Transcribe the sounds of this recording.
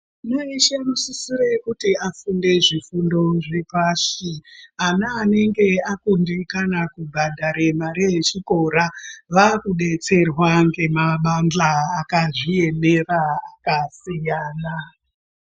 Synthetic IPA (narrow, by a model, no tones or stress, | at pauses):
noiʃemusisiɾekutiafunde̞ʐifundo̞ʐe̞paːʂianaːne̞ŋɡe̞akundikanakubʱadaɾemaɾijet͡ʃiko̞ɾaʋakuɗe̞t͡se̞rwaŋɡe̞maɓand͡ɮaːkaʐie̞neraakasijaːna